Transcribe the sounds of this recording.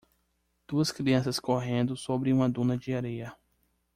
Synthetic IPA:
d̪̥uɐskɾiɐ̃sɐskoɦẽnd̪ʊsobɾɪũmɐd̪ũnɐd͡ʒɪaɾejɐ

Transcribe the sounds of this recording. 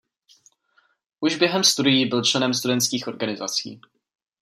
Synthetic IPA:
ʔuʒbjɛɦɛmst̪udɪjiːbɪlt͡ʃlɛnɛmst̪udɛnt̪skiːxʔo̞ɾɡanɪzat͡sḭː

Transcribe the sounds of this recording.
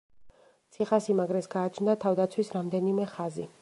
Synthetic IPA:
t̪sʰiχasimaɡɾɛsɡaːt͡ʃʰnd̪at̪ʰavd̪at̪sʰwisɾamd̪ɛnimɛχazḭ

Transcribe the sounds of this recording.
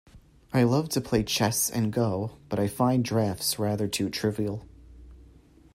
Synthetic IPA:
aɪlʌv̥tʰɨpʰl̥eɪt͡ʃʰɛsɨ̰̃nɡoʊb̥ʌɾaɪfãɪ̃ndɹæftsɹæðə˞tʰʉtʰɹ̥ɪvil̩ˠ

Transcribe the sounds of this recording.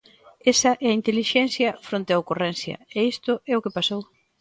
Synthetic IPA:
esɐʔɛɐint̪eliʃɛn̟θjɐfɾont̪eɐokurɛn̟θjɐ̰eist̪ʊɛokepasow

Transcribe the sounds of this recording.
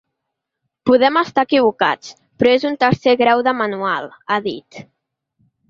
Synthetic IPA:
puðɛməst̪aəkiβ̞uka̰t͡s | pɾɔezunt̪əɾseɣɾawðəmanualˠaðit̪

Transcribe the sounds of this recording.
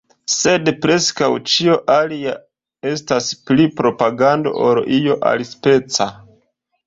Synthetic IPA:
se̞dpɾe̞skawt͡ʃio̞ʔalia | e̞stasplipɾo̞paɡando̞̰ʔoɾijo̞ʔa̰lispe̞t͡sa

